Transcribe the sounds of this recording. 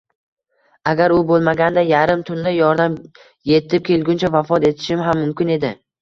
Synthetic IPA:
aɡʲaɾʊbolˠmaɡʲand̪ajaɾɪmt̪ʰʊnd̪ajɒɾd̪am | je̞t̪ʰːɪp̚kʲʰe̞lɡʲʊnt͡ʃʰavafɒt̪e̞t̪ʰɪ̥ʃɪmɦamːʊmkʲɪne̞d̪ɪ

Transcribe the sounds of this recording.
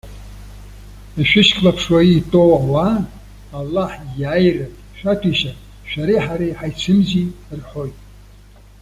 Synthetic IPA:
iʃᶣɪʃkʰʼlapʰʂwaiːtʼowawa | alːaħjaːjrɨ | ʃᶣatʰiʃa | ʃᶣaɾiħaɾiħajt͡sʰɨmzirħojtʼ

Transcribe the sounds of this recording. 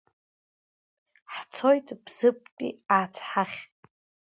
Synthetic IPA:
ħt͡sʰo̞jtʼbz̥ɨp̚ʼkʼḭaːt͡sʰħaχʲ

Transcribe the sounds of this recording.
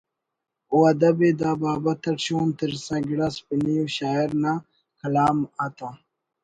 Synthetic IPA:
uɐd̪ɐbed̪aːbaːbɐt̪ɐʈɕoːnt̪əɾsãːɡiɽɐspiniuɕaːiɾna | kʰɐlaːmat̪ãː

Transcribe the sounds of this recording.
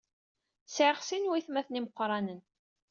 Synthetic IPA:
sʕəχsinwiθmæθniməqʷːɾˤɑnən

